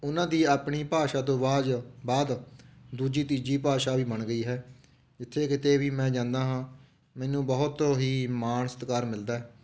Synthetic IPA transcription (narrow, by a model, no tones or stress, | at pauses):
ʊnãːd̪iːaːpɳiːpaːʃaːt̪õːbaːd͡ʒbaːd̪d̪uːd͡ʒiːt̪iːd͡ʒiːpaːʃaːʋiːbəɳɡəiːɦɛː | d͡ʒɪt̪ʰːeːkɪt̪eːʋiːmɛ̃ːd͡ʒãːnd̪aːɦãː | mɛːnũːbəɦʊt̪oɦiːmaːnsə̥t̪kaːɾmɪld̪aːɛː